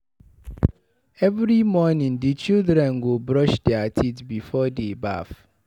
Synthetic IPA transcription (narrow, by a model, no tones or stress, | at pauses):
ɛvɾimɔnĩndit͡ʃildɾɛ̃nɡobɾɔʃdɛatʰitbifɔdeba̰f